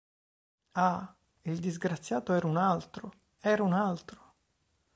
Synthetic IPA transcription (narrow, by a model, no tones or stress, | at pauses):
a | ild̪izɡɾat̪sːjaːt̪oɛːɾaunalt̪ɾo | ɛːɾaunalt̪ɾo̥